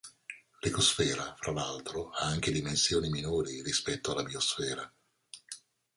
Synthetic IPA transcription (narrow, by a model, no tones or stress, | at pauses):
likosfɛːɾafɾʔalalt̪ɾoaaŋk̟ed̪imensjoːniminoːɾiɾispɛt̪ːoalabiosfɛːɾa